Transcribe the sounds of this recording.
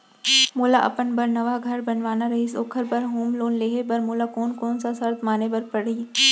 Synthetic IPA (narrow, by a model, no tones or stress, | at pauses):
moːlaʔɐ̰pənbɐɾnɐʋaɡʱɐɾbɐnʋaːnaɾɐɦisoːkʰəɾbɐɾɦuːmloːnleːɦebɐɾmoːlakɔːnkoːnsasɐɾt̪maːnebɐɾpɐɽ̤i